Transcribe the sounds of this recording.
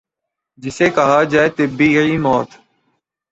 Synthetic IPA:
d͡ʒɪseːkəɦaːd͡ʒaːeːt̪ɪbiːiːmɔːt̪

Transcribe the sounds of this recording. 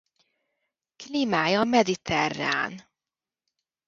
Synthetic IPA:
kliːmaːjɒmɛd̪it̪ʰɛrːa̰ːn

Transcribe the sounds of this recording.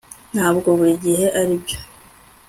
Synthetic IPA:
n̥haːbɡo̞βuɾiɟiɦe̞ʔaɾibjo̞̥

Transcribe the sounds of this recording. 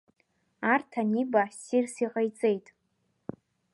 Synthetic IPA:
artʰanibasirsiʁajt͡sʼe̞jtʼ

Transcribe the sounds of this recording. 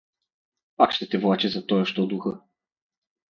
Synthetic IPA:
pakʃt̪ɛt̪ɛvlˠat͡ʃɛzɐt̪ɔjɔʃt̪ɔd̪uxɤ

